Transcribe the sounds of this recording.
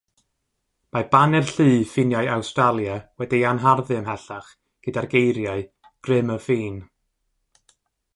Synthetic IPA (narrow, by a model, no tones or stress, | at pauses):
mab̥anɛrɬɨːfɪnjajawstralˠjawɛdianɦarðɨəmɦɛɬaχ | ɡ̥ədarɡejɾjaɨ | ɡ̥rɪməfiːn